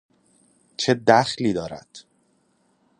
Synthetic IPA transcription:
t͡ʃʰed̪æxliːd̪ɒːɾæ̰d̪̥

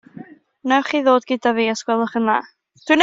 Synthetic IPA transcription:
nawχiːðoːdɡɪdaviːaskwɛlˠəχəna | tʰwin

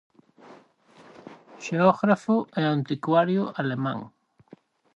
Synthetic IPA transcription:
ʃeoɣɾafoeant̪ɪkwaɾjoʔalema̰ŋ

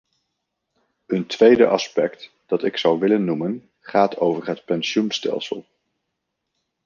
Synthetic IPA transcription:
əntʋejdə̰ʔɑspɛkt | d̥ɑtɪksʌwʋɪlənːumən | χaːtʰowvərɦətpɛnsunstɛ̰lˠsə̰lˠ

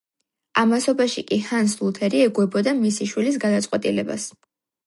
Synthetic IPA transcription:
amasɔbaʃikʼihanslˠut̪ʰɛɾiɛɡwɛbɔd̪amisiʃwilisɡad̪at̪sʼqʼwɛt̪ʼilɛba̰s

